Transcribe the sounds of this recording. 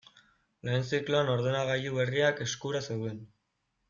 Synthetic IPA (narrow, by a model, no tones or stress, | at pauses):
le̞ːnt͡sikloano̞ɾðenaɣajuβe̞riake̞skuɾase̞wðen